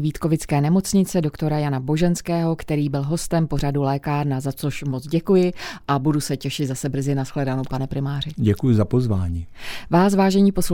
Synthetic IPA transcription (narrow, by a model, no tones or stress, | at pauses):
viːt̪ko̞vɪt͡skɛːnɛmo̞t͡sɲɪt͡sɛdokt̪o̞ɾajanabo̞ʒɛnskɛːɦo̞kt̪ɛɾiːbɪlɦo̞st̪ɛmpo̞radulɛːkaːɾnazat͡so̞ʃmo̞t͡sɟɛkujɪʔabudusɛcɛʃɪd̪zasɛbr̩zɪnasxlɛdanowpanɛpɾɪmaːrɪɟɛkujʊzapozvaːɲiːvaːs̬vaːʒɛɲiːpo̞sl